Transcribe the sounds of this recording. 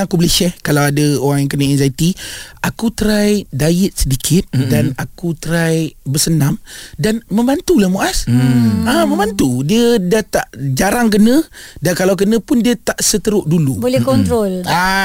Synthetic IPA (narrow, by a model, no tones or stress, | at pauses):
akubələʃɛhkalawadəoɾaŋjaŋkənəɛnzajit̪iakut̪əɾajdajət̪̚sədikʰɪt̪̚danakut̪əɾajbəsənamdanmə̃mbant̪ulahmuʔasamə̃mbant̪udiədaht̪aʔd͡ʒaɾaŋk̬ənə̃dankalawk̬ənə̃pʊndiət̪aʔsət̪əɾʊʔdulubolɛhkɔnt̪ɾola